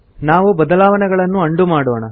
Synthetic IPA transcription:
naːʋubɐd̪ɐlaːʋɐnɛɡɐɭɐnːuɐɳɖumaːɽɔːɳɐ

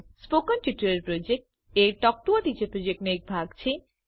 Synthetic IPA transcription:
spokɔnʈiʈːuɾeɾpɾod͡ʑek̚ʈ | eʈɔk̚ʈuoʈ̪it͡ɕepɾod͡ʑek̚ʈnek̚bʱaɡt͡ɕʰe

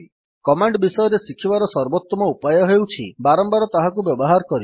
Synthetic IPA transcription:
kɔmaɳɖbisɔjɔɾesikʰibaɾɔsɔɾbɔt̪ːɔmɔupajɔɦewt͡ʃʰibaɾɔmbaɾɔt̪aɦakubjɔbɔɦaɾɔkɔɾi

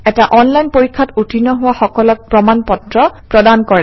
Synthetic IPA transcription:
ɛtaʔɔnlajnpoɹikʰːatutʰinɔɦʊwaxɔkɔlɔk̚pɹɔmanpɔtɹɔpɹɔdankɔɹɛ

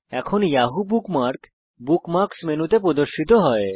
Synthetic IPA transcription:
ɛkʰonjaɦubukmaɾk | bukmaɾksmenut̪ep̬ɾod̪oɾʃit̪oɦɔe

